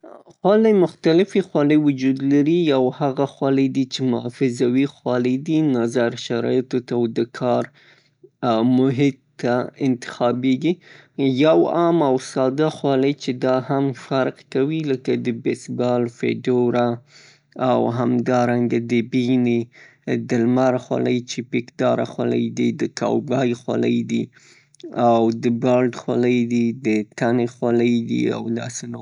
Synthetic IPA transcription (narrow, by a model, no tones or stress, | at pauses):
xwɑlajmʊxt̪alɪfexwɑləjwʊd͡ʒud̪laɾiawhaɣaxwaləjd̪it͡ʃemʊfɪzawixwɑləd̪inazaɾʃaɾɑ̰jt̪ot̪awd̪əkʰɑɾ | mʊɦɪt̪aɪnt̪ɪ̥xɑbeɡijawɑmawsɑd̪axwɑləjt͡ʃed̪ɑhamfaɾqkawiləkad̪əbesbɑlfḛɖoɾaː | wɦamd̪ɑɾaŋɡad̪əbini | d̪əlmaɾaxwa̰ləjt͡ʃepikd̪ɑɾa̰xwa̰lə̰jd̪id̪əkɑ̰wɡɑjxwa̰lə̰jd̪i | awd̪əbɑlɖxwaləjd̪id̪ət̪anexwaləjd̪ḭa̰wd̪ɑ̰seno